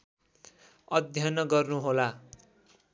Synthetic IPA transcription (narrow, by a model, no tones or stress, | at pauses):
ʌd̪ʱjʌnʌɡʌrnuɦola